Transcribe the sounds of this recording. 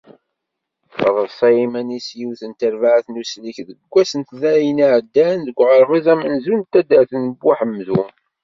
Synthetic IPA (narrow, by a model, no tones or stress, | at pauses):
fəðˤəðˤsˤɑjimænisjiwθənt̪əɾvaʕθnusliçðəɡʷːæsənt̪ðæjəniʕəd̪ːænðəɡʷːʁəɾʁizæmənzunt̪ːæd̪əɾθənbːaħəmːzu